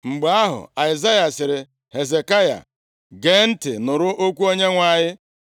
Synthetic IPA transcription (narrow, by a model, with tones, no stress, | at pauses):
ŋ͡m̩˨ɡ͡be˨a˦ɦʊ̰˨a˨ɪ˨za˦ja˨sɪ˨ɾɪ˨ | he˨ze˨ka˦ja̰˨ | ɡe˨n̩˦tɪ˨nʊ˨ɾʊ˦ʔo˦kʷu˦o˦ɲe˦ŋʷa˨ɲɪ˦